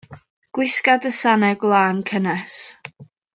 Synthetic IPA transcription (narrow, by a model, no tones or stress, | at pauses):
ɡ̥wɪskadəsanɛɡlˠaːnkʰənɛs